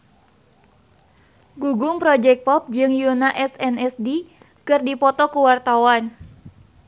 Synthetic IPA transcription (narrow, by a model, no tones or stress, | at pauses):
ɡuɡʊŋpɾɔd͡ʒɛk̚pɔp̚d͡ʒɨŋjunaʔɛsɛnɛsdi | kɨrdipɔt̪ɔkuwart̪awan